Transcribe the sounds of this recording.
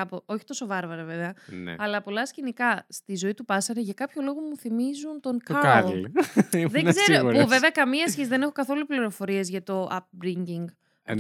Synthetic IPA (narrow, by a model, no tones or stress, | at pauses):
ɐpoo̞çi̥t̪o̞so̞vɐɾvɐɾeve̞veɐn̰ɐlɐpo̞lɐscenikɐst̪izo̞it̪upɐsɐɾeʝɐkɐpço̞lo̞ɣo̞muθimizunt̪o̞ŋkɐ | ðezeɾɾouuve̞veɐkɐmiɐsçesiðe̞ne̞xo̞kɐθo̞lupliɾo̞fo̞ɾie̞zʝɐt̪o̞ʔɐp̚bɾiɲɟiŋɡ